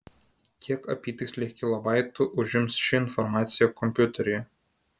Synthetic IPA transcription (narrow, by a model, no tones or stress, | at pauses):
kʲʰiɛkɐpʲiːt̪ʲɪksʲlʲikʲɪlˠɐbɑɪt̪ʊʔʊʒʲɪmsʃʲɪɪnfɔɾmɑːt̪sʲɪjɛkɔmʲpʲjʊt̪ʲɛɾʲɪj